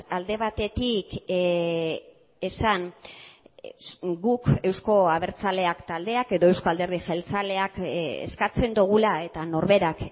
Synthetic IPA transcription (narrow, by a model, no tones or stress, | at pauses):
ald̪e̞β̞at̪e̞t̪ik | e̞san | ɡuke̞wsko̞aβ̞e̞ɾt͡sale̞akt̪ald̪e̞ake̞ðo̞e̞wsko̞ald̪e̞ɾð̞ixelt͡sale̞akḛskat͡se̞nd̪uɣ̞ulae̞t̪ano̞ɾβe̞ɾak